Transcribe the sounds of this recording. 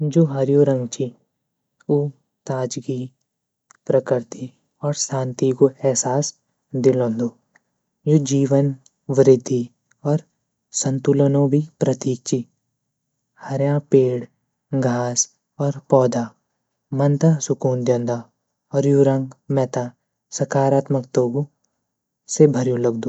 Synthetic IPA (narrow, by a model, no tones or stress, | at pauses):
d͡ʒoːɦɐɾjoːɾə̃ŋɡt͡ʃi | uː | t̪aːd͡ʒɡi | pɾəkɪɾt̪i | ɔːɾsãːnt̪ikoɛɦsaːs | d̪ɪlõnd̪oː | joːd͡ʒiːʋən | ʋɾɪd̪ʱːi | ɔːɾ | sə̃nt̪ulənõbʱipɾɐt̪iːk̚t͡ʃi | hɐɾjãpeːɽ | ɡʱaːs | ɔːɾpɔːd̪ʱa | mɐnt̪asʊkuːnd̪jɐ̃nd̪a | ɔːɾjuɾə̃ŋɡmɛt̪a | sɐkaːɾaːt̪məkt̪oːɡo | sebʱɐɾjõlɐɡd̪oː